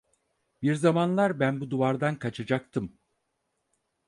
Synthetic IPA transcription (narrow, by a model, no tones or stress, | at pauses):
biɾzamanlˠaɾbænbud̪uvaɾd̪ankʰat͡ʃʰad͡ʒak̚t̪ʰɯm